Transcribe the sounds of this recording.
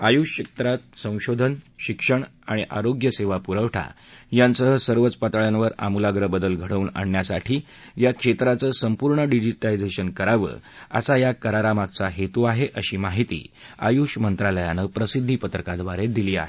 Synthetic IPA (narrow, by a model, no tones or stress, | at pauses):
ajuɕək̚t̪ɾat̪̚sə̃w̃ɕod̪ʱənɕikʂəɳ | aɽ̃iʔaɾoɡjəseʋapuɾəʋʈʰa̰ | jansəɦəsəɾʋət͡spat̪ɭjanʋəɾa̰mulaɡɾəbəd̪əlɡʱəɽ̤əuna̰ɳjasaʈʰiː | jakʂet̪ɾat͡səːsəmpuɾɳəɖid͡ʑiʈaid͡zeɕənkəɾaʋə̰ːa̰sajakəɾaɾamak̚t͡saɦet̪uaɦeʔəɕiːmaɦit̪ḭːa̰juɕmənt̪ɾaləjanəpɾəsid̪ʱːipət̪ɾəkad̪ʋaɾed̪iliːa̰ɦe